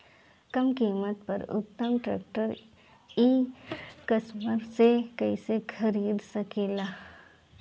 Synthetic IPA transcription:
kɐmkiːmət̪̚pɐɾʊ̰t̪ːəmʈɾḛːk̚ʈəɾ | iː | kɐsməɾsekɐisekʰɐɾiːd̪sɐkeːlaː

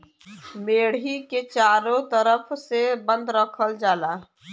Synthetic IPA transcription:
meːɽiket͡ʃaːɾõt̪əɾəpʰsebə̃nd̪ɾəkʰəld͡ʒaːla

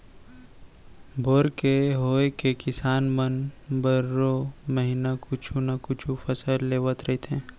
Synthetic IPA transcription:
bʱoːɾkeɦoːekekɪsaːnmənbəɾoməɦinakʊt͡ʃʰunakʊt͡ʃʰupəsəlːeːʋət̪ɾɐɦit̪eɦɛ̃ː

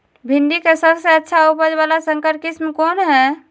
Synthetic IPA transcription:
bʱind̪ikesəbsəətːʃʰaupəd͡ʒbalasə̃ŋkəɾ̚kismkonɦɛ

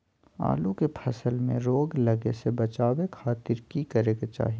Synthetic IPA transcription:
a̰ːlukepʰɐsəlmḛ̃ɾoːɡlɐɡesebɐt͡ʃaːwekʰaːt̪ɪɾkikəɾeːɡat͡ʃa̰ːɦi

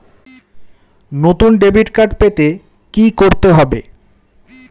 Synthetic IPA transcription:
not̪unɖebiʈkaɾɖpet̪e | kikoɾt̪eɦɔbe

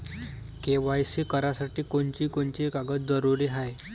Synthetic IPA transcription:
keʋajsiːkəɾasaʈiːkoɳt͡ɕiːkoɳt͡ɕiːekaɡət̪d͡zəɾuɾiːɦaj

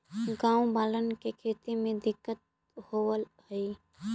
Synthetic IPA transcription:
ɡãũbalənkekʰet̪imẽd̪ɪkːət̪̚ | howəlhəj

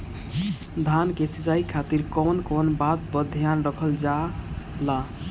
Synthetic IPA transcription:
d̪ʱankesit͡ʃaikʰat̪iɾkɔnkɔnbat̪̚bəd̪ʱijanɾəkʰəld͡ʒala

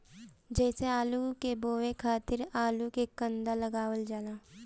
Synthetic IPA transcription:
d͡ʒɛːseaːlukeboːʋekʰaːt̪ɪɾaːlukekə̃nd̪aləɡaːʋəld͡ʒaːlaː

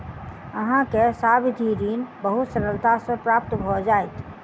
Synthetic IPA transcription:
əɦãkesabd̪ʱiɾinbəɦut̪səɾəlt̪asə̃pɾapt̪bʱɔd͡ʒajt̪

